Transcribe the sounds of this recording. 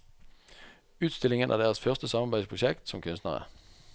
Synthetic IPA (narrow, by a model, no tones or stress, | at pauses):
ʉːd̪̥sd̪ɪ̝lɪŋənʔæ̰ɐd̪eːɐʁəsfœʁst̪əsɑmɑbæɪd̥̪spʰʁʊɕeɡ̥d̪̥sɔ̽mkʰønsd̥̪nəʁə̰